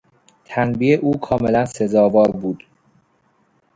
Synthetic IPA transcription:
t̪ʰænbiːeʔuːkʰɒːme̞lænse̞zɒːvɒːɾbuːd̪̥

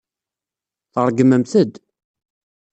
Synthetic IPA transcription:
θəɾˤɡəməmθəd̪

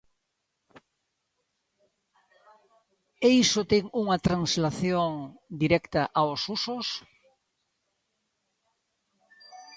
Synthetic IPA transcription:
eisot̪eŋuŋat̪ɾaŋslaθjoŋd̪iɾɛkt̪aʔaosusos

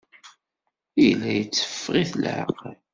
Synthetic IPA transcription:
ijlːæjət͡sːə̥fːʁiθlʕə̰qəl

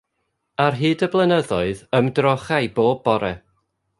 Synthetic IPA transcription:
arɦɨːdəblˠənəðɔɨðəmdrɔχajboːbɔɾɛ

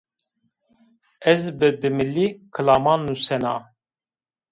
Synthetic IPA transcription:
ɛzbɨd̪ɨmɨliːkʰɨlaːmɑːnːusɛnɑː

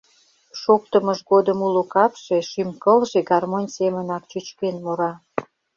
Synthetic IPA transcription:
ʃokt̪əməʃɡod̪əmulokɑpʃeʃymkəlʒeɡɑrmonʲsemənɑk̚t͡ɕyt͡ɕkenmoɾɑ

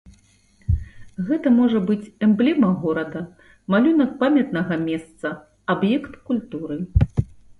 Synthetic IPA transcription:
ɣɛt̪ɐmɔʐɐbɨt͡sʲɛmblʲɛmɐɣɔɾɐd̪ɐ | malʲunɐk̚pamʲɐt̪nɐɣɐmʲɛst̪sɐ | abjɛkt̪kulʲt̪uɾɨ

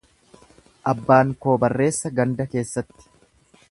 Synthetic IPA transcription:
ʔɐbːaːŋko̞ːbɐrːe̞ːsːɐɡɐnd̪ɐke̞ːsːɐt̪ːɪ̥

